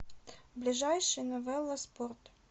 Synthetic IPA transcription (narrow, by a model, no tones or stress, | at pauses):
blʲɪʐajʂɨjnɔvɛlˠɐsport̪